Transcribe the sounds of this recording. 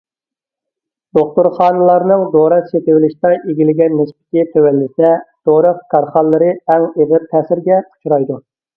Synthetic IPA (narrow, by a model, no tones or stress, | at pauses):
d̪̥oχt̪ʊɾχɑːnɨlˠɑɾnɨŋd̪oɾɑt̪ʃet̪ɪwɪlɪʃt̪ɑʔeɡʲilɪɡʲɛnːɪspɪ̥k̪ʲit̪ʰøwɛlːɪsɛd̪̥oɾɑqkʰɑɾχɑlˠːɨɾɨɛŋeʁɪɾt̪ʰɛːsɪɾɡʲɛu̥t͡ʃʰɾɑjd̪u